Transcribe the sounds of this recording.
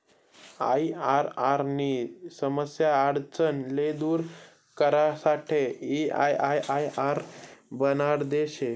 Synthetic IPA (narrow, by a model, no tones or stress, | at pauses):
a̰iaɾaɾniːsəməsjaːɽt͡sənled̪uːɾ | kəɾasaʈʰeia̰jajʔajaɾbənaɾd̪eɕe